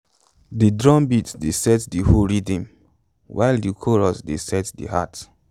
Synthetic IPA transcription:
didɹɔ̃mbitdesɛtdihuɹidĩm | wʔa̰ɪldikʰɔɹɔsdesɛtdḭha̰t

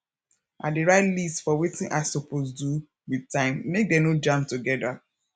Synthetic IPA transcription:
ʔat̚diɹaɪtlistfɔwetĩnʔasopʰosdu | widtãɪ̃mːek̚dɛnod͡ʒãmp̚tuɡɛda

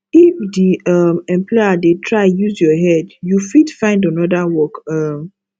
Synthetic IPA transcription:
ifdiʌmɛ̃mplɔjadetʰɹaɪ̃juzjɔɦɛdjufidfãɪ̃ndanɔdawɔkʌm

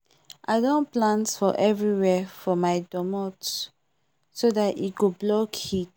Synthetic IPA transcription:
ʔa̰ɪdõnplãntfɔʔɛvɹiwɛfɔmaɪdɔmɔt | sodatit̚ɡoblɔkhit

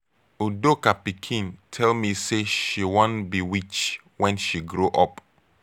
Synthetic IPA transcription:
udokapikʰĩntʰɛlmiseʃiwõnbiwit͡ʃ | wɛ̃nʃiɡɾoʔɔp

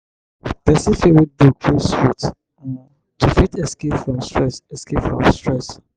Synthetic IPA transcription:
bɛsifewidukʰlostɹit | tʰufitɛskepfɹɔ̃mstɹɛsɛskepfɹɔ̃mstɹɛs

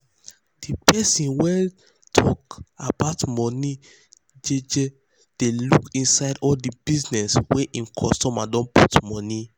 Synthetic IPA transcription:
d̥ipʰɛsĩnwɛ | tʰɔkabaʊtmɔni | d͡ʒed͡ʒe | d̥elukĩnsaɪdɔldibiznɛsweʔĩnkʰɔstɔmadɔ̃nputmɔ̃ni

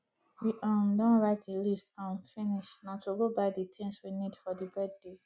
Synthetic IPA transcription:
diʔamdɔ̃nɹaɪt̚dəlistãnfĩniʃnatʰuɡobaɪditʰɛ̃nswinidfɔdibɛdde

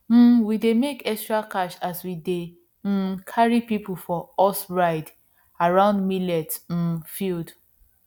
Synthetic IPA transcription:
m̩widemekɛstɹakaʃaswide | m̩kʰaɹipipufɔɔsɹaɪd | aɹãʊ̃ndmilɛt̩fild

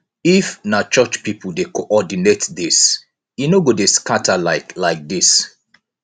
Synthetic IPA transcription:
ifnat͡ʃɔt͡ʃpipul̩dekoʔɔdinetdis | jinoɡodeskatʰalaɪklaɪk̚dis

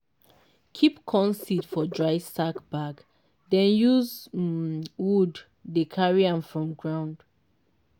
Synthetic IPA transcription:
kʰipkʰɔ̃nsidfɔdɹaɪstakbaɡ | dɛ̃njuz | wudː | ekʰaɹiãmfɹɔ̃mɡɹãʊ̃nd̥

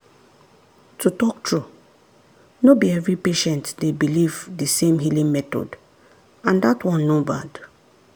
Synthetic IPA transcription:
tutɔk̚tʰɹu | nobiɛvɹipeʃɛ̃ntdebilivdəsẽmhilĩŋmɛtɔ̰d | ãndatwɔ̃nːobad

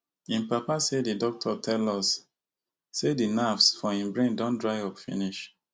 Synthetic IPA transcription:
ĩmpapasedidɔk̚tʰɔtʰɛlɔsː | edinafsfɔĩmbɹẽndõndɹaɪɔpfḭniʃ

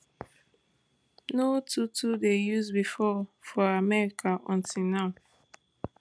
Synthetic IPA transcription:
notutʰudejuzbifɔfɔamɛɹikʰaʔɔ̃ntinaʊ

